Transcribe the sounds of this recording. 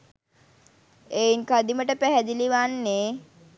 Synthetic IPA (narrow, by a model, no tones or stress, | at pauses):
eiŋkad̪iməʈəpæɦæd̪iliʋanːe